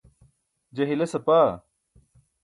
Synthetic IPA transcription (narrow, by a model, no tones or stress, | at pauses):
d͡ʑɐɦilɐsɐpaː